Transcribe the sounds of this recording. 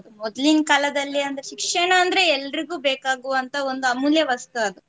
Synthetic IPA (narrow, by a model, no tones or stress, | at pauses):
umɔd̪liŋɡkɐlɐd̪ɐlːiɐnd̪ɾeʃikʂɐɳɐːnd̪ɐɾeɛlːɐɾiɡuːbeːkaːɡuʋɐnt̪ʰɐo̞nd̪uɐmuljɐʋɐst̪uɐd̪u